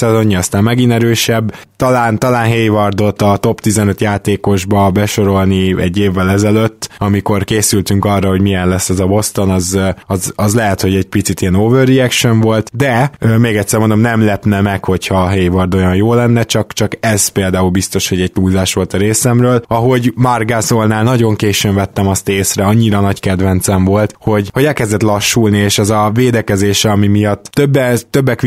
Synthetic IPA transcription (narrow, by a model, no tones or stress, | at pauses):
sɛzo̞ɲːiɒst̪aːmmɛɡinɛɾøːʃɛbːt̪ɒlaːnt̪ɒlaːnɦeːjvɒrd̪o̞t̪ɒt̪o̞pt̪izɛnøt̪jaːt̪eːko̞ʒbɒbɛʃo̞ɾo̞lniɛɟːeːvːɛlɛzɛløt̪ːɒmiko̞rkeːsylt̪yŋkɒrːɒɦo̞ɟmijɛnlɛsːɛzɒbo̞st̪o̞nɒzɒzɒzlɛɦɛt̪ho̞ɟɛɟpit̪sit̪ijɛnoːvørːiɛkʃoɱvo̞lt̪d̪ɛømeːɡɛt̪sɛrmo̞nd̪o̞mnɛmlɛpnɛmɛkho̞chɒɦeːjvɒrd̪ojɒnjoːlɛnːɛt͡ʃɒkt͡ʃɒkɛz̥peːld̪aːulbist̪o̞ʃho̞ɟɛɟ̚t̪uːlzaːʃʋo̞lt̪ɒɾeːsɛmrøːlɒɦo̞ɟmɒrɡazo̞lnaːlnɒɟo̞ŋkeːʃøɱvɛt̪ːɛmɒst̪eːsrɛɒɲːiɾɒnɒɟkɛd̪vɛnt̪sɛɱvo̞lt̪ho̞ɟho̞ɟɛlkɛzd̪ɛt̪lɒʃːulnieːʃɛzɒveːd̪ɛkɛzeːʃɛɒmimijɒt̪ːøbːɛt̪ø̞bːɛk